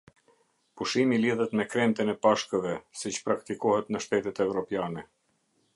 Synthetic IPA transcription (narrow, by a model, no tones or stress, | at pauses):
puʃimiliðɛt̪mɛkɾɛnt̪ɛnɛpaʃkəvɛsit͡ɕpɾakt̪ikɔhɛt̪nəʃt̪ɛt̪ɛt̪ɛvɾɔpjanɛ